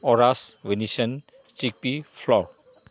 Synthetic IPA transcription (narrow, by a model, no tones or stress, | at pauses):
ɔɾaswenisɐn | t͡ʃik̚pipʰlɔɾ